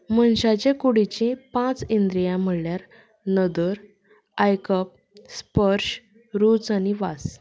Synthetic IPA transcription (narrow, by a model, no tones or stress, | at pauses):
mənɕat͡ɕẽkuɽit͡ɕĩpãt͡sind̪ɾijãm̤əɭljaɾ | nəd̪əɾ | ajkəp̚ | spəɾɕ | ɾut͡saniʋas